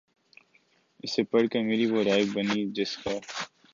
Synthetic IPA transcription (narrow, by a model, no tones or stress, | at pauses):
ɪsepɐɽkemeːɾiʋoɾaːjbɐniːd͡ʒɪskaː